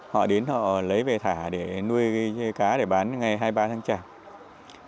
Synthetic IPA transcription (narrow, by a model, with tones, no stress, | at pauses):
hɔ̰˧˨ɗe˨˦nhɔ̰˧˨lə˨˦jve˨˩t̪ʰaː˧˩ɗe˧˩nu˧əjkaː˨˦ɗe˧˩ɓaː˨˦nŋa˨˩jɦaː˧jɓaː˧t̪ʰaː˨˦ŋt͡ɕaː˧˩